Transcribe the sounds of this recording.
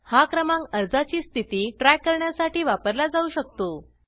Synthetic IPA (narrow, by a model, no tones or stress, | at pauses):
hakɾəmãŋkəɾd͡zat͡ɕiːst̪ʰit̪iːʈɾakːəɾɳjasaʈiːʋapəɾlad͡zauːɕək̚t̪o